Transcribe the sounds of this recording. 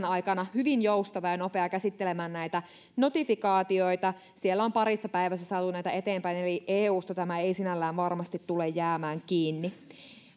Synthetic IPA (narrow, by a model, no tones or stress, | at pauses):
nɑjkɑnɑhyʋinjoust̪ɑʋɑjɑno̞peɑkæsit̪ːelemæːnnæit̪æ | no̞t̪ifikɑːt̪io̞jt̪ɑ | sielːæompɑɾisːɑpæiʋæsæsɑːt̪unæit̪æe̞t̪eːmpæineliʔeːuːst̪ɑt̪æmæeisinælːæːnʋɑrmɑst̪it̪tulejjæːmæːŋkiːnːi